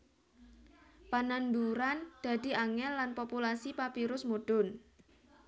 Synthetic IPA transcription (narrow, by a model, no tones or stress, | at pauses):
pananduɾand̪̥a̤d̪̥i̤aŋɛnːanpopulasipapiɾʊsmoɖ̥ʊn